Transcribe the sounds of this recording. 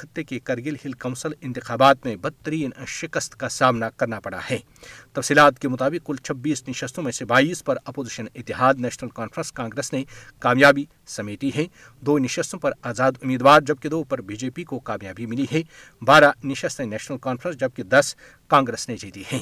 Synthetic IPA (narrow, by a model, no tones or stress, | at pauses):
xɪt̪ːekekɐɾɡɪlhɪlkɐ̃ːsəlɪ̃nt̪ɪxaːbaːt̪mẽbɐt̪ːəɾiːnʃɪkəst̪kasaːmnakɐɾnapɐɽa̰hɛː | t̪ɐfsiːlaːt̪kemʊt̪aːbɪqkʊlt͡ʃʰɐbːiːsnɪʃəst̪ʰõmẽsebaːiːspɐɾɐpoːzɪʃənɪt̪ːɪɦaːd̪nɛːʃnəlkãːnfɾə̃nskãːŋɡɾeːsnekaːmjaːbi | sɐmeːʈiɦɛ̃ | d̪oːnɪʃəst̪ʰõpɐɾaːzaːd̪ʊmiːd̪ʋwaːɾd͡ʒɐb̚ked̪oːpɐɾbiːd͡ʒeːpikokaːmjaːbimɪliɦɛː | baːɾanɪʃəst̪ẽnɛːʃnəlkaːnfɾə̃nsd͡ʒɐb̚ked̪ɐs | kãːŋɡɾeːsned͡ʒiːt̪ihɛ̃ː